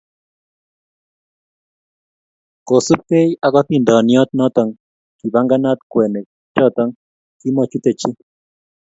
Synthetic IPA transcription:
ko˨su˦pe˦ja˨kɔ˦ti˨ndɔ˨njɔ˦t̪̚nɔ˦t̪ɔ˨ŋ | ki˨ba˦ŋɡa˦na˦t̪kwɛ˨ne˨ | t͡ʃɔ˦t̪ɔ˦ŋ | ki˦mɔ˨t͡ʃu˦t̪e˨t͡ʃi˦

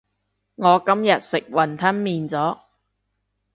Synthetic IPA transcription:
ŋɔː˨˧kɐ˥mjɐ˨t̚sɪ˨k̚wɐ˨˩nt̪ʰɐ˥nmiː˨nt͡sɔː˨˥

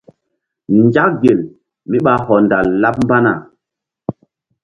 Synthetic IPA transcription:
nd͡ʒa˦k̚ɡe˨l | mi˦ɓa˦ɦɔ˨nda˨lːa˦p̚m˦ba˦na˨

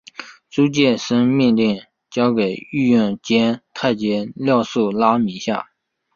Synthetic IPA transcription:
ʈ͡ʂu˥t͡ɕjɛ˥˩ʂə˥ŋmi˥˧nli˥˩ŋ | t͡ɕjɑ˥ʊke˨˩ɪy˥˧jy˥˩nt͡ɕjɛ˥nt̪ʰa˥˩ɪt͡ɕjɛ˥ljɑ˥˧ʊʂu˥˩la˥mi˧˥ɕja̰˥˩

